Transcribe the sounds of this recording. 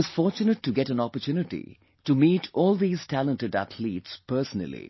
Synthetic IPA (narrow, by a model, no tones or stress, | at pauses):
ʌz̥fɔːɾt͡ʃunəʈʰːuɡɛʈæ̃nɔpəɾtʰjunɪʈḭ | ʈumiːʈʰɔːld̪iːz̥tʰælə̃nʈəɖæ̰t̪ʰliːʈspəɾsənə̰lḭ